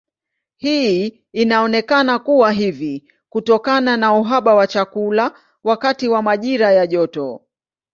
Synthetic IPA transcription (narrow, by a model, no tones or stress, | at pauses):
hi | inaɔnɛkanakuwaɦivi | kutɔkananauɦaɓawat͡ʃakula | wakatiwamaʄiɾajaʄɔtɔ